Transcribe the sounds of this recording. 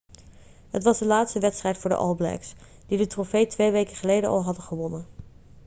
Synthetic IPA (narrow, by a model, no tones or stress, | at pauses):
ɦətʋɑzdəlaːtstəʋɛtstrɛjtfʊːɹdə̰ʔɑ̰lˠblɛ̰ks | d̥idətrofejtʋejʋejkəχəlejdəɑ̰lˠɦɑdəχəʋɔnən